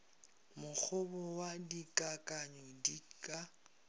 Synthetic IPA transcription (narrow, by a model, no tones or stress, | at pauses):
mʊk͡xʰʊbɔwadikʼakʼaɲɔdikʼa